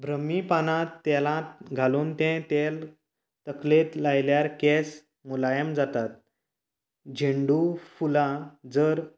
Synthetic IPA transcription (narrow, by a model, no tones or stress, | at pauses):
bʱɾəmipanat̪ːɛlãt̪ɡʱaluːnt̪ɛ̃t̪el | t̪əklet̪lajljaɾkɛs | mulajəmd͡zat̪at̪̚ | d͡ʑʱeɳɖufulãd͡zəɾ